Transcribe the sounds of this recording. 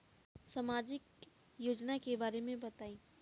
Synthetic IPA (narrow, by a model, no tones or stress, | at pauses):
samaːd͡ʒɪk | joːd͡ʒnakebaːɾemẽbɐt̪aːĩː